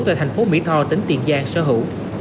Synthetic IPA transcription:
t̪a̰ː˧˨jt̪a˨˩ŋ̟fo˨˦mḭ˧˥t̪ʰɔ˧t͡ɕə˨˦ŋt̪ḭ˨˩ənzaː˧ŋsə̰ː˧˥ɦɨ̰˧˨w

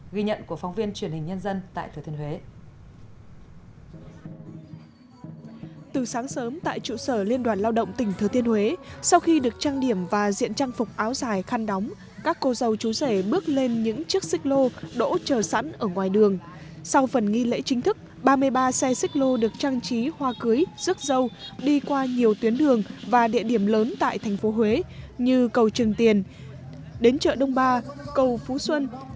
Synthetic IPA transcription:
ɣi˧ɲə̰˧˨nku˧˩əfɔ˨˦wŋ͡mvi˧ənt͡ɕwi˨˩ənhi˨˩ŋ̟ɲə˧nzə˧nt̪a̰ː˧˨jt̪ʰɨ˨˩t̪i˧ə˧nhwe˨˦ | t̪ɨ˨˩saː˨˦ŋsəː˨˦mt̪a̰ː˧˨jt͡ɕṵ˧˨səː˧˩li˧ənɗwaː˨˩nlaː˧wɗə̰˧˨wŋ͡mt̪ï˧˩ŋ̟t̪ʰɨː˨˩t̪i˧ənhwe˨˦sa˧wxi˧ɗɨ˨˩ək̚t͡ɕaː˧ŋɗi˧˩əmvaː˨˩zḭ˧˨ənt͡ɕaː˧ŋfʊ˨˩k͡p̚ʔaː˨˦wzaː˧˩jxaː˧nɗɔ˨˦wŋ͡m | kaː˦˥kːo˧zə˨˩wt͡ɕu˨˦se˧˩ɓɨ˦˥ək̚le˧nɲɨ̰˧˥ŋt͡ɕi˦˥ək̚sï˦˥k̚lo˧ɗo̰˧˥t͡ɕəː˨˩sa̰˧˥nʔəː˧˩ŋwaː˨˩jɗɨ˨˩əŋ | sa˧wfə˨˩nŋi˧lḛ˧˥t͡ɕï˨˦ŋ̟t̪ʰɨ˦˥k̚ | ɓaː˧mɨ˧əjɓaː˧sɛ˧sï˦˥k̟̚lo˧ɗɨ˨˩ək̚t͡ɕaː˧ŋt͡ɕi˨˦hwaː˧kɨ˨˦əjzɨ˦˥t̚zə˧wɗi˧kwaː˧ɲi˨˩əwt̪wi˨˦ənɗɨ˨˩əŋvaː˨˩ɗḭ˧əɗi˧˩əmləː˨˦nt̪a̰ː˧˨jt̪ʰɛ˨˩jŋ̟fo˨˦ɦwe˨˦ɲɨ˧kə˨˩wt͡ɕɨ˨˩əŋt̪i˨˩ən | ɗe˨˦nt͡ɕə̰ː˧˨ɗə˧wŋ͡mɓaː˧kə˨˩wfu˨˦swə˧n

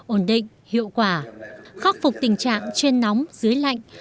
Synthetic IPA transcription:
ʔo˧˩nɗḭ˧˨ŋ̟hḭ˧˨əwkwaː˧˩xaː˦˥p̚fʊ˨˩k͡p̚t̪ï˨˩ŋ̟t͡ɕa̰ː˧˨ŋt͡ɕe˧nːɔ˨˦wŋ͡mzɨ˨˦əjla̰˧˨jŋ̟

